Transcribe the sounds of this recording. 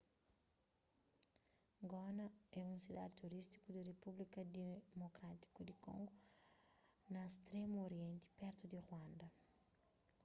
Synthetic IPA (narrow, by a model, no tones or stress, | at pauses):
ɡɔnɐɛũsid̪ad̪it̪uɾist̪i̥kud̪irepublikɐd̪emokɾat̪i̥kud̪ikõ̰ŋɡu | nɐest̪ɾemuoɾjɛ̃nt̪i̥pɛɾt̪ud̪iʁwãnd̪ɐ